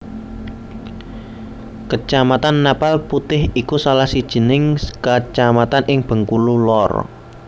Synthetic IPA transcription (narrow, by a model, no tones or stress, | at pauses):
kət͡ʃamat̪anːapalput̪ɪhikusalahsid̥ʒ̥ə̤nɪŋkət͡ʃamat̪anʔɪŋb̥ə̤ŋkululɔr